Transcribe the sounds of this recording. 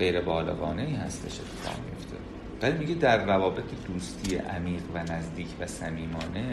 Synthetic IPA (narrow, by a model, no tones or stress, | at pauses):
ɢe̞jɾebɒːlɒ̰ːɣɒːne̞iːhæ̰st̪ʰe̞ʃe̞t̪ʰːe̥fɒ̰ʁmḭjo̞̰ft̪ʰḛ | vælimiɟed̪æɾːævɒːbe̞t̪ʰed̪uːst̪ʰiːjḛʔæmiːɣvænæzd̪iːcʰvæsæmiːmɒːne̞